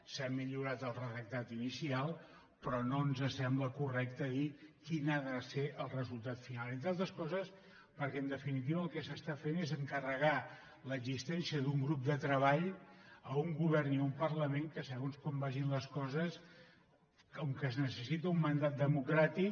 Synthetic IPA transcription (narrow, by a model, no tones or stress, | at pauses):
samiʎuɾat̪əlˠrəðək̚t̪at̪inisialˠ | pɾɔnonzəsɛmbləkurɛk̚t̪əðikinaðəseʔəlˠrəzulˠt̪at̪finalˠẽnt̪ɾalˠt̪ɾəskɔzəs | pəɾkɛənd̪əfinit̪̬iβəːlˠkɛsəst̪afenezəŋkərəɣ̞a | ləɡzist̪ɛnsiəðuŋɡɾup̚d̪ət̪ɾəβaʎəuŋɡuβɛrniumpərləmeŋkəsəɣonskɔmbaʒinləskɔzəs | oŋkəznəsəsit̪əumːənd̪at̪̚d̪əmukɾat̪ik